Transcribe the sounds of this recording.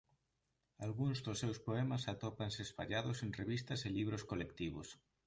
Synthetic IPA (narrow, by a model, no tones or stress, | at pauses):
alɣuŋzðosːewspoɛmasat̪opansespa̰ʎaðosenreβist̪ɐseliβ̞ɾoskolekt̪iβos